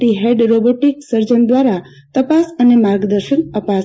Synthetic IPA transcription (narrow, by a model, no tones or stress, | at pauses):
iɦeɖɾoboʈiksəɾd͡ʒənd̪ʋaɾa | t̪əpasənemaɾɡd̪əɾʃənəpa